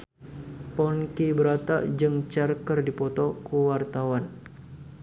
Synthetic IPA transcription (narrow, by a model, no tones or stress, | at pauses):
pɔnkibəɾat̪a̰ʔd͡ʒəŋt͡ʃarkərdipɔt̪ɔkuwart̪awan